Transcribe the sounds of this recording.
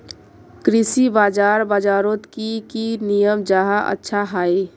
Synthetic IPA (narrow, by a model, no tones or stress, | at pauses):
kɾisibaːd͡ʒaːɾbaːd͡ʒaːɾot̪kikinijəmd͡ʒaɦaʔə̰tːʃʰaɦai